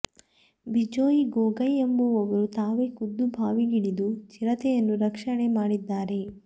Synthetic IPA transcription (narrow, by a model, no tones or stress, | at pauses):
bid͡ʒoːjiɡoːɡɐjembuɐʋɐɾut̪aːʋekud̪ːubʱaːʋiɡiɽid̪ut͡ʃiɾɐt̪ɛjɐnːuɾɐkʂɐɳemaːɽid̪ːaːɾe̞